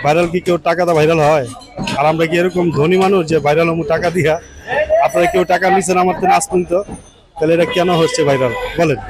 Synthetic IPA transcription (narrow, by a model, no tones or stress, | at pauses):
bʱajɾalk̬ikeuʈakat̪abʱaɪɾalɦɔj | aɾamɾakieɾɔkɔmd̪ʱonimanud͡ʒebʱajɾalɦɔmuʈakad̪ija | apɾakeuʈakaɾmis̬enamaɾt̪enaskunt̪ɔ | t̪aleeʈakianɔɦost͡ʃʰebʱajɾalbolen